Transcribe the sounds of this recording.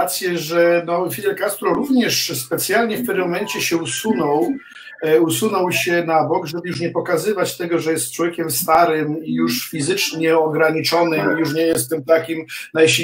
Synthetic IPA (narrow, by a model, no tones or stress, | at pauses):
t̪sʲjɛʐɛnɔfʲid̪ɛɾkast̪ɾɔɾuvɲɛʂspɛt̪sʲjalɲɛfp̪ɛɾmːɔmɛɲt͡ɕɛɕɛusunɔw | usunɔwɕɛnabɔɡʐɛbɘjuʂ̬ɲɛpɔkazɘvat͡ɕt̪ɛɡɔʐɛjɛst̪̚t͡ʂwɔvʲjekʲɛmst̪aɾɘmijuʂfʲizɘt͡ʂɲɛɔɡɾaɲit͡ʂɔnɨmjuʂ̬ɲɛjɛst̪ːɨmt̪akʲimnajɕi